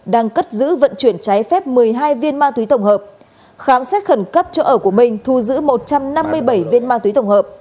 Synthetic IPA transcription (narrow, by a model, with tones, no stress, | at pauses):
ɗaː˧ŋkə˦˥t̚zɨ̰˧˥və̰˧˨nt͡ɕwi˧˩ənt͡ɕaː˨˦jfɛ˦˥p̚mɨ˨˩əjɦaː˧jvi˧ənmaː˧t̪wi˨˦t̪ə˧˩wŋ͡mɦəː˨˩p̚ | xaː˨˦msɛ˦˥t̚xə˧˩nkə˦˥p̚t͡ɕɔ˧ʔəː˧˩ku˧˩əmï˨˩ŋ̟t̪ʰu˧zɨ̰˧˥mo˨˩t̚t͡ɕa˧mna˧mːɨ˧əjɓə˧˩jvi˧ənmaː˧t̪wi˨˦t̪ə˧˩wŋ͡mhəː˨˩p̚